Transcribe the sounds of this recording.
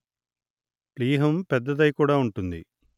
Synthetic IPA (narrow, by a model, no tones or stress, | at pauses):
pliːɦumped̪ːɐðɐjkuːɽaːuɳʈund̪ḭ